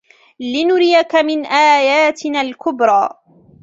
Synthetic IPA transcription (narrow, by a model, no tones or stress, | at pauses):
lɪnʊɾɪjakamɪnʔaːjaːt̪ɪnaːlkʊbɾˤɑː